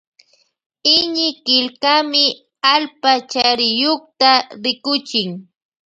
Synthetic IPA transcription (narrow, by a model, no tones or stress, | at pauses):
ɪɲɪkɪʎkamɪ | alpat͡ʃaɾɪjoχt̪aɾɪkʊt͡ʃɪŋ